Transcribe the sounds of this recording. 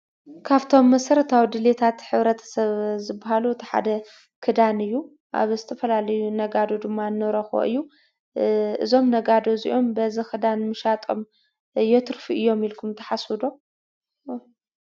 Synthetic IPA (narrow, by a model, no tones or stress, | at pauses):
kʰaβt̪ʰo̞mːɐsɐɾɐt̪ʰawid̪ɨlet̪ʰat̪ħɨβɾɐt̪ʰɐ̥sɐβzɨbːaɦaluɨt̪ʰiħa̰d̪ɐ | kʰɨd̪anɨjːu | ʔa̰βzɨt̪ʰɐfɐlalɐjunɐɡad̪o̞d̪ɨmːanːɨɾɐxo̰ʔɨ̰jːu | ɨzo̞mnɐɡad̪o̞zḭʔo̞mbɐzikɨd̪anmɨʃat̪ʼom | jɛt̪ʰɨɾfuʔɨjːo̞milkʰumt̪ʰɐħasɨd̪o̞